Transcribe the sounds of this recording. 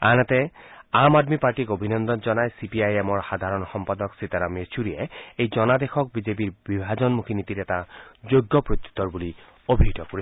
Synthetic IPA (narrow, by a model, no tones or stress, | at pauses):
a̰nat̪ɛamad̪mipaɹʈikobʱinɔnd̪ɔnd͡ʒɔnaesipiajemɔɹxad̪ʱaɾɔnxɔmpad̪ɔksit̪aɾamet͡ʃʰuɾieejd͡ʒɔnad̪exʰɔk̚bid͡ʒepiɹbibʱad͡ʒɔnmukʰinit̪iɾɛtad͡ʒojɡːɔpɹot̪ːu̥t̪ɔɹbuli | obʱit̪ɔkoɾi